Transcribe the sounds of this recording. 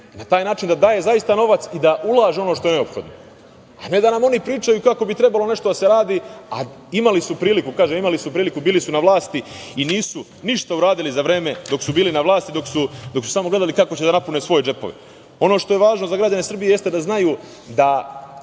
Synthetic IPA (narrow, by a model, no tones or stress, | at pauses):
nat̪aːjnaːt͡ʃind̪ad̪aːje̞zajist̪ano̞ʋat̪sid̪aʔulˠaːʒeo̞noʃt̪o̞e̞ne̞o̞pxo̞d̪no̞ | ane̞d̪anamo̞nipɾiːt͡ʃajukako̞bit̪ɾe̞balˠo̞ne̞ʃt̪o̞d̪ase̞ɾaːd̪iːa̰ | imalisupɾiːlikukaːʒemimalisupɾiːlikubiːlisunaʋlˠaːst̪iiniːsu | niʃt̪auɾaːd̪ilizaʋɾe̞ːme̞d̪o̞ksubiːlinaʋlˠaːst̪id̪o̞ksud̪o̞ksu̥saːmo̞ɡle̞d̪alikako̞t͡ɕe̞d̪anapune̞sʋo̞je̞d͡ʒe̞po̞̰ʋḛ | o̞no̞ːʃt̪o̞je̞ʋaːʒnozaɡɾad͡ʑane̞sɾr̩bije̞je̞st̪e̞d̪aznajuː | d̪a